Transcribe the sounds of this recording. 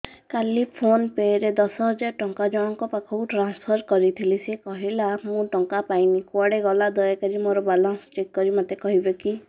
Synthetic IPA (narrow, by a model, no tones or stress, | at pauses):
kalipʰonpeɾed̪ɔsɔɦɔd͡ʒaɾʈɔŋkad͡ʒɔɽ̃ɔŋkɔpakʰɔuʈɾanspʰɔɾkɔɾit̪ʰilisekɔɦilamũʈɔŋkapajnikwaɽeɡɔlad̪ɔjakaɾimoɾɔbalɔnst͡ʃekːɔɾimat̪ekɔɦibeki